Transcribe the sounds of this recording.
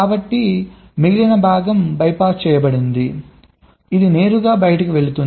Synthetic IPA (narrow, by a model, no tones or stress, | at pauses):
aːbɐʈːi | miɡilɐnɐbʱaːɡɐmbɐjpaːst͡ʃɛːjɐbɐɽind̪i | id̪ine̞ːɾuɡaːbɐjɐʈɐkiʋe̞ɭut̪un